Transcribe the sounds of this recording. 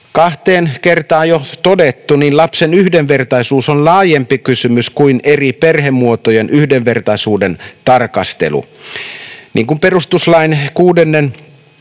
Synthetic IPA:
kɑht̪eːnkert̪ɑːjot̪odet̪ːuninlɑpsenyhdeʋʋe̞rt̪ɑisuːsonlɑːjempikysymyskuineriperɦemːuot̪ojenʔyhdeʋʋe̞rt̪ɑisuːdent̪ɑrkɑst̪ḛlṵ | niːŋkumpe̞rust̪uslɑinkuːdenːen

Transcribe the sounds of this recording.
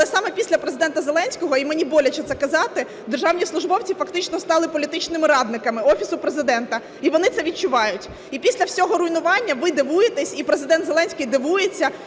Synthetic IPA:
lˠɛsɑmɛpʲisʲlʲɐpɾezɨɪd̪ɛnt̪ɐzelˠɛnʲsʲkɔɦɔimenʲibɔlʲɐt͡ʃɛt̪sɛkɐzɑt̪ɪ | d̪erʒɑwnʲislˠʊʒbɔwt͡sʲifɐkt̪ɪt͡ʃnɔst̪ɑlˠɪpɔlʲit̪ɪt͡ʃnɪmɪɾɑd̪nɪkɐmɪɔfʲisʊpɾezɪd̪ɛnt̪ɐ | iʋɔnɪt̪sɛʋʲit͡ʃʊʋɑjʊtʲ | ipʲisʲlʲɐwsʲɔɦɔɾʊjnʊʋɑnʲːɐʋɪd̪ɪʋujet̪ɛsʲipɾezɪd̪ɛnd̪zelˠɛnʲsʲkɪjd̪ɪʋujet͡sʲːɐ

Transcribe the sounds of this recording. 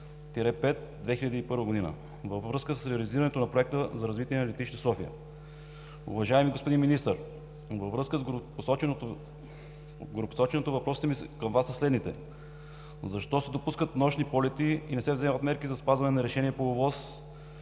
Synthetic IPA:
t̪ɛɾɛpɛt̪̚ | d̪vɛxilʎəd̪iːpɤɾvəɡod̪inə̰ | vəvvɾɤskəsəsɾɛɐliziɾɐnɛt̪onɐpɾoɛk̚t̪əzɐɾɐzvit̪iɛnɐlʲɛt̪it͡ʃnisɔfijə̰ | ṵvɐʒaɛmiɡospod̪inminist̪əɾ | vəvɾɤskəzɡposɔt͡ʃɛnot̪ | ɡoɾopo̥sɔt͡ʃɛnot̪ovɐpɾɔsit̪ɛmiskɐmvasɐslɛd̪nit̪ɛ̰ | zɐʃt̪ɔsɛd̪opuskət̪nɔʃnipɔlɛt̪iinɛsɛvzɛmət̪mɛɾkizɐspazvɐnɛnɐɾɛʃɛniɛpoovɔs

